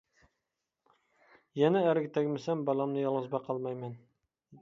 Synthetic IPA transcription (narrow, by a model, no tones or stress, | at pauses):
jɛnæːɾɪkʲt̪ʰæɡʲmɪsæmbɑlˠɑmnɨjɑlˠʁɑzbɑqʰɑlˠmɑjmæn